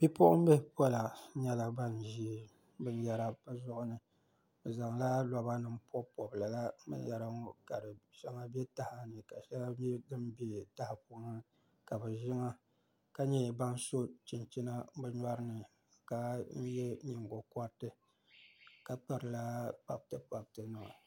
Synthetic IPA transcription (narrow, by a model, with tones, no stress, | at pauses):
bi˦pʊ˦ʔʊ̰˦m˦bɛ˦pɔ˦la˨˦ɲɛ˦la˨ba˦n˨ʒiː˦˨ | bɨ˦n˦ja˦ɾa˦bɨ˦zʊ˦ʔʊ˦nɨ˨ | bɨ˨za˨ŋla˦la˨ba˦nɨ˦mpʰɔ˦pɔ˨bla˨la˦mɨ̰˦n˦ja˨ɾa˦ŋɔ˦ka˨dɨ˨ʃɛ˦ŋa˦bɛ˦ta˨ha˨nɨ˨ka˨ʃa˦a˦ɛ˦dɨ˦m˦bi˦˨ta˦hɪ˨pu˦nɨ˦ | ka˨bɨ˨ʒɪ˦ŋa˦ | ka˦ɲɛ˦˨ba˦n˦so˦t͡ʃi˨nt͡ʃi˦na˦bɨ˦ɲa˦ɾɨ˦nɨ˨ | ka˦n̩˦jɛ˦ɲi˨ŋɡo˨kɔ˦ɾtɨ˦ | ka˨k͡pɨ˨ɾɨ˨la˦pa˦˨btɨ˦pa˨btɨ˨nɨ˨ŋɨ̰˨